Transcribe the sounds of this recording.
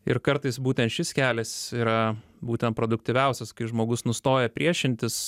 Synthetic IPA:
ɪɾkɐɾt̪ɐɪsbuːt̪ʲɛnt̪ʃʲɪskʲæːlʲɛsiːɾɐ | buːt̪ʲɛnt̪̚pɾod̪ʊk̚t̪ʲɪʋʲɛʊsʲɛskɐɪʒmoːɡʊsnʊst̪oːjɛpʲɾʲiɛʃʲɪnʲt̪ʲɪs

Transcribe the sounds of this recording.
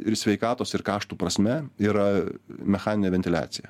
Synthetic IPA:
ɪsʲʋʲɛɪkɑːt̪oːsɪɾkɑːʃt̪uːpɾɐsʲmʲɛiːɾɐmʲɛxɑːnʲɪnʲeːʋʲɛnʲt̪ʲɪlʲæ̰ːt̪sʲɪjɛ

